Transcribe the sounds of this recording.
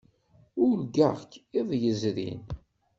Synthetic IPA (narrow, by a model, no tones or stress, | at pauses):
ʊlɡə̰ʁkɪðˤjəzɾḭn